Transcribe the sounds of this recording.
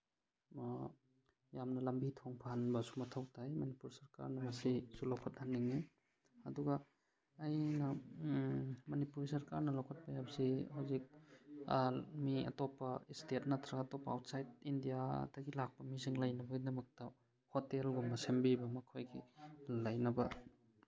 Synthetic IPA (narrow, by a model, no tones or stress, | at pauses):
jamnɐlɐmbitʰoŋpʰanbɐsumɐtʰawtʰajmɐnipuɾsɐɾka̰ɾnɐmɐsisulowkʰat̚hanːiŋi | ɐduɡaː | jnɐ | mɐnipuɾsɐɾkaɾnɐlawkʰat̚pajabsihawzik̚ | miɐ̰topɐistet̚nat̪ʰɾaɡaːtopːɐːwtsajt̚indijadɐɡilak̚pɐmiziŋlɐjnɐbɐɡidɐmɐk̚tɐ | hotelɡomɐsembibɐmɐkʰojɡilɐjnɐbɐ